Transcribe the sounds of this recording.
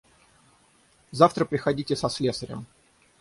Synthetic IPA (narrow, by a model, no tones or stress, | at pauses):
zaft̪ɾəpɾʲɪxɐdʲitʲɪsɐslʲesəɾʲɪ̰m